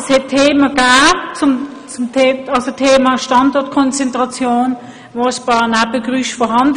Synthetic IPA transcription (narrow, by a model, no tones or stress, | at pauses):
shɛtʰːeːməɡ̥aːt͡sʊm | t͡sʊmtʰeɑlsotʰeːmaʃtɑndɔɐt̚kʰɔnt͡sɛntʁɑt͡sjoːn | voəspɑːʁnabəɡʁyʃfɔɦɑnd